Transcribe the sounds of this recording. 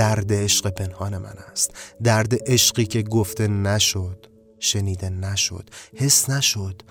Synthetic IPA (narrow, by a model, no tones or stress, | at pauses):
æɾd̪eeʃɢe̞pʰe̞nhɒːne̞mʔæ̰næ̰st̪d̪æɾd̪eʔeʃɢiːcʰe̞ɡoft̪e̞næʃod̪̥ | ʃe̞niːd̪e̞næʃo̞̰d̪̥he̞snæʃo̞d̪̥